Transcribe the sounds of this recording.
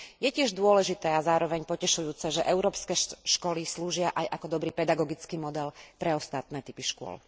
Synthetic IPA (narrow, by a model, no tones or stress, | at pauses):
jɛcɪɛʒd̪ʊɔlɛʒit̪ɛːazaːɾɔʋɛɲpɔcɛʃujuːt͡sɛʒɛʔɛʊɾɔːpskɛːʃkɔlisluːʒɪaʔajʔakɔd̪ɔbɾiːpɛd̪aɡɔɡit͡skiːmɔd̪ɛlpɾɛɔst̪at̪̚nɛːt̪ipiʃkʊɔ̰l